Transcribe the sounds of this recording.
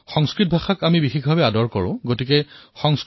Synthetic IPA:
xɔŋskɹit̚bʱaxakamibixikʰbʱabɛadɔɹkɔɹʊ̃ɡotikɛxɔŋs

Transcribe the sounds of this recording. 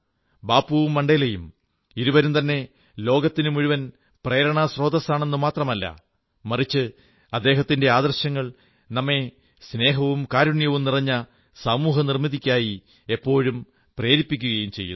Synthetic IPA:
baːpːuʋumːɐɳɖɐjlɐjum | iɾuʋɐɾumt̪ɐnːe̞ | lo̞ːɡɐt̪ːinumuɻuʋɐn | preːɾɐɳɐsro̞ːd̪ɐsaːɳe̞nːumaːt̪rɐmɐlːɐ̰ | mɐrit͡ɕːɨ | ɐd̪ːe̞ːɦɐt̪ːinde̞aːd̪ɐrɕjɐŋːɐɭ | nɐmːe̞ | sne̞ːɦɐʋumkaːɾuɳjɐʋumnirɐɲːɐ | samuːɦɐnirmiðikʲːaːji | epːo̞ːɻum | pre̞ːɾipːikʲːuɣɐjumt͡ɕe̞̰jːṵ

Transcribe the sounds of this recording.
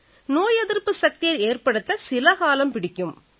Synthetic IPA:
noːjɛðɪrpːɯsɐk̚t̪ɪjɐɾeːrpɐɽɯt̪ːɐsɪlɐɣaːlɐmpɪɽɪkʲːɯm

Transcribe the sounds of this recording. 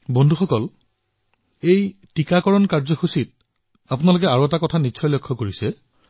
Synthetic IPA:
bɔndʱuxɔkɔl | ejtikakɔɹɔnkaɹzɔxusit̚ | apʊnalokɛaɹoɛtakɔtʰanitːsʰɔjlokʰːɔkoɹisɛ

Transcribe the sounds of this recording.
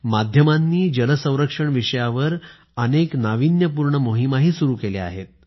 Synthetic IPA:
mad̪ʱjəmanːiːd͡ʑələsə̃w̃ɾəkʂəɳʋiʂəjaʋəɾ | əneknaʋinjəp̬uɾɳəmoɦimaɦiːsuɾuːkelea̰ɦet̪̚

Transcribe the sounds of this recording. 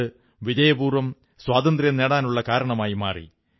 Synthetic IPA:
ɨ | ʋid͡ʑɐjɐbuːrʋɐm | swaːd̪ɐnd̪rjɐneːɽaːnuɭːɐkaːɾɐɳɐmaːjima̰ːrḭ

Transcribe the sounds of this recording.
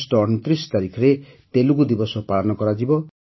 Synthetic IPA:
sʈɔːnɔt̪ɾist̪aɾikʰɔɾe | t̪elukud̪ibɔsɔpaɭɔnɔkɔɾad͡ʒibɔ

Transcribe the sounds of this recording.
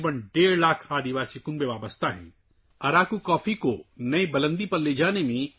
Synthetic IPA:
bənɖeːɾlaːkʰaːd̪iʋaːsikʊnbẽʋaːbəst̪ʰaɦɛ̰̃ː | ɐɾaːkukɔːfʰikonɐibɐlə̃nd̪ipɐɾleːd͡ʒaːnemẽ

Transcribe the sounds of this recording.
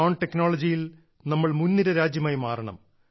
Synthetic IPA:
oːɳʈekːnoːɭɐd͡ʑijil | nɐmːɐɭmunːiɾɐɾaːd͡ʑjɐmaːjimaːrɐɳɐ̰m

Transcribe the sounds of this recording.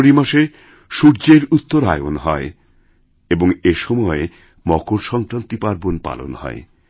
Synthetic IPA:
ɾimaʃe | ʃuɾd͡ʑeɾut̪ːoɾa̰eonɦɔe | eboŋeʃɔmɔe | mɔkoɾʃɔŋkɾant̪ipaɾbonpa̰lo̰nhɔ̰e

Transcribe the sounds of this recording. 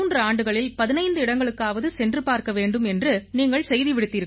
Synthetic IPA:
uːndrɐaːɳɖɯɣɐɭɪlpɐðɪnɐɪnd̪ɯɪɽɐŋɡɐɭɯkːaːʋɐðɯsɛndrɯpaːɾkɐʋeːɳɖɯmɛndrɯniːŋɡɐɭsɛjðiʋɪɽɯt̪ːiːɾk

